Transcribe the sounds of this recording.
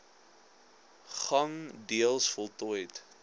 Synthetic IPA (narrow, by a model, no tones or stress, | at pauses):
χɐŋdiəlˠsfɔlˠtɔjt